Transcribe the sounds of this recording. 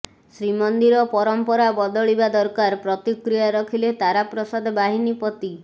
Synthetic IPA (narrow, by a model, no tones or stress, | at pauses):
sɾimɔnd̪iɾɔpɔɾɔmpɔɾabɔd̪ɔɭibad̪ɔɾkaɾpɾɔt̪ikɾijaɾɔkʰilet̪aɾapɾɔsad̪ʱbaɦinipɔt̪i